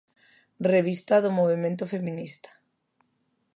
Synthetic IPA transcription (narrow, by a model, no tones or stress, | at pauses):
reβ̞ist̪aðomoβ̞emẽnt̪ofemĩnist̪ḁ